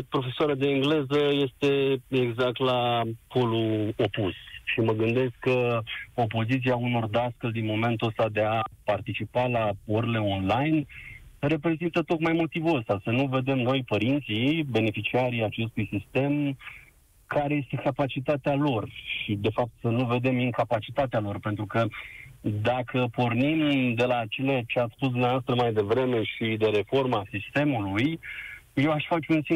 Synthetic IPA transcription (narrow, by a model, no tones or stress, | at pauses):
pɾo̞fe̞soaɾad̪e̞iŋɡle̞zəje̞st̪e̞e̞ɡzak̚t̪lapʰo̞luo̞pusʃiməɡɨnd̪e̞skkːəo̞po̞zit̪siauno̞rd̪askəld̪inmo̞me̞nt̪uəst̪ad̪e̞apart̪it͡ʃipalaoɾele̞o̞nlajnre̞pɾe̞zint̪ət̪o̞kmajmo̞t̪ivuəst̪asənuve̞d̪e̞mno̞jpəɾint̪sibe̞ne̞fit͡ʃiaɾijat͡ʃe̞st̪ujsist̪e̞m | kʰaɾe̞je̞st̪e̞kapat͡ʃit̪at̪ealo̞rʃid̪e̞fap̚t̪sənuve̞d̪e̞miŋkapat͡ʃit̪at̪ealo̞rpe̞nt̪ɾukə | d̪akʰəpo̞rnimd̪e̞lat͡ʃelet͡ʃeat̪sspusd̪umneaoast̪ɾəmajd̪e̞vɾe̞me̞ʃid̪e̞ɾe̞fo̞rmasist̪e̞mulujje̞waʃfat͡ʃunsi